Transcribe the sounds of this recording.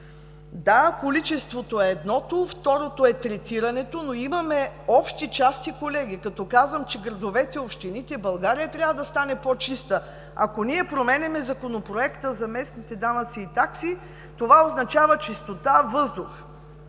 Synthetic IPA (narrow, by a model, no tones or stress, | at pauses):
d̪akolit͡ʃɛst̪vot̪oɛːd̪nɔt̪oft̪ɔɾot̪oɛt̪ɾɛt̪iɾɐnɛt̪onoimɐmɛɔpʃt̪it͡ʃast̪ikolɛɡikɐt̪ɔkazvəmt͡ʃɛɡɾɐd̪ovɛt̪ɛopʃt̪init̪ɛbɐlˠɡaɾijɐt̪ɾʲavəd̪ɐst̪anɛpot͡ʃist̪ə | a̰koniɛpɾomɛnʲɛmɛzɐkonopɾoɛkt̪əzɐmɛsnit̪ɛd̪anɐt̪siːt̪aksi | t̪ovaoznɐt͡ʃavət͡ʃist̪ot̪avɤzd̪ʊx